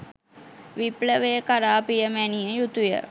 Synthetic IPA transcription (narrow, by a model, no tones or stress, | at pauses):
ʋipləʋejəkaɾaːpijəmæniəjut̪ujə̰